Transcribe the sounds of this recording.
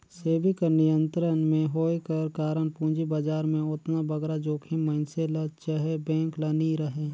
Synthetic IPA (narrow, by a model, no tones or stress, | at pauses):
seːbikənɪjə̃nt̪ɾənmẽɦoːekəɾkaːɾənpũːd͡ʒibad͡ʒaːɾmẽʊt̪nabɐɡɾad͡ʒoːkʰiməɪnselɐt͡ʃəɦebɛ̃ːŋklɐniɾəɦẽː